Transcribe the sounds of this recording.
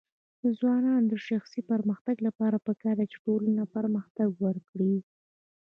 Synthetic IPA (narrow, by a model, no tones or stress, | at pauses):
d̪əzwɑnɑnd̪əʃaxsipəɾməxt̪aɡlapɑɾapəkɑɾd̪at͡ʃe̥ʈolanapəɾməxt̪aɡwəɾkɽi